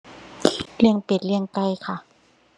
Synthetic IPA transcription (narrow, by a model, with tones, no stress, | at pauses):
li˥˩əŋpe˨˩t̪̚lɯ˧˥˩əŋka˧˨jkʰa˧˥˩ʔ